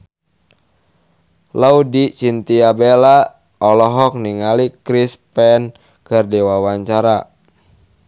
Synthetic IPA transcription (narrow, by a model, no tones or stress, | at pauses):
laudit͡ʃint̪iabela | ɔlɔɦɔk̚niŋalikɾispɛn | kɨrdiwawaɲt͡ʃaɾa